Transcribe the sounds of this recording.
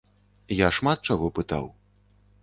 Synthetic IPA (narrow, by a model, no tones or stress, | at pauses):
jaʂmat̪̚t͡ʂaɣɔpɨt̪a̰w